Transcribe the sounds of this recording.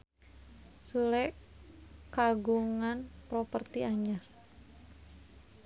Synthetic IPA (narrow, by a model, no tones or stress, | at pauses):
sulɛʔ | kaɡuŋanpɾɔpərt̪iaɲar